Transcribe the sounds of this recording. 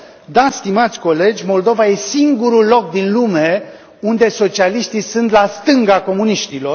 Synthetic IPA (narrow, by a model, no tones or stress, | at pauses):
d̪ast̪imat̪sʲko̞le̞d͡ʒʲmo̞ld̪o̞vaje̞siŋɡuɾulo̞k̚d̪inlume̞ | und̪e̞so̞t͡ʃialiʃt̪isunt̪last̪ɨŋɡako̞muniʃt̪ilo̞r